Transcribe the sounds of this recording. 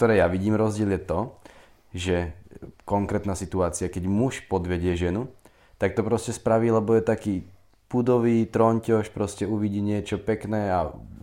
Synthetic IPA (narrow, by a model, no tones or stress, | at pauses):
kt̪ɔɾɛːjaʋiɟiːmɾɔzɟɪɛljɛt̪ɔ | ʒɛkɔŋkɾɛːt̪naːsit̪uaːt͡sɪakɛɟmuʃpɔd̪ʋɛɟɪɛʒɛnu | t̪ak̚t̪ɔpɾɔscɛspɾaʋiːlɛbɔjɛt̪akiː | pud̪ɔʋiːt̪ɾɔɲcɔʃpɾɔscɛuʋiɟiːɲɪɛt͡ʃɔpɛknɛːa